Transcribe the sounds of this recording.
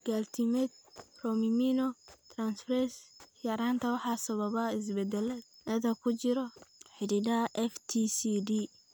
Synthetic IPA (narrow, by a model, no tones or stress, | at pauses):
ɡ̥aːlt̪ʰɪmɛd̪̚rɔmimiːnɔt̪ʰraːnsfrɛsjɐɾaːnt̪ʰɐwɑħɑːsɐβɐβɐɪs̬bɛd̪ɛlɛnɐðɐkʰʊt͡ʃɪɾɔħɪɽidɐʔɛft̪ʰisidi